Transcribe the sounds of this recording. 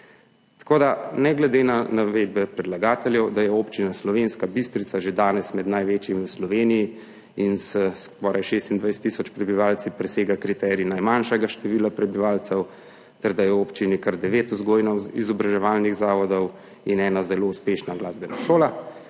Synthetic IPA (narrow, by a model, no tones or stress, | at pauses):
t̪ḁkoːd̪anɛɡlɛd̪enanaʋeːd̪̚bɛpɾɛd̪laɡaːt̪ɛljɛwd̪ajɛoːpt͡ʃinaslɔʋenskabist̪ɾit̪saʒed̪aːnɛsmɛd̪najʋeːt͡ʃjimiwslɔʋeːniji | insɛskɔːɾʔajʃeːst̪ind̪ʋajst̪ːisɔt͡ʃpɾɛbiʋalt̪sipɾɛseːɡakɾit̪ɛːɾinajmanʃɛɡaʃt̪ɛʋiːlapɾɛbiʋaːlt̪sɛw | t̪ɛɾd̪ajɛoːpt͡ʃinikaɾd̪ɛʋeːt̪uzɡoːjnɔwizɔbɾaʒɛʋaːlniɣzaːʋɔd̪ɔw | inɛːnazɛlouspeːʃnaɡlaːzbɛnaʃoːla